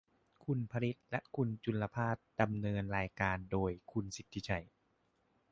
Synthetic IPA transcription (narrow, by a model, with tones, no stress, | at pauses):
kʰu˧npʰa˧li˨˦˥t̪̚lɛ˦˥ʔkʰu˧nt͡ɕu˧lːa˧pʰaː˥˩t̪̚da˧mnɤː˧nɾaː˧jkaː˧ndoː˧jkʰu˧nsi˨˦t̪ʰːi˦˥t͡ɕʰa˧˩j